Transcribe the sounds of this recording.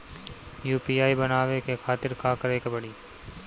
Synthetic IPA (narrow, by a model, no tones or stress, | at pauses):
juːpiːaːibɐnaːʋekekʰaːt̪ɪɾkaːkəɾeːkebɐɽiː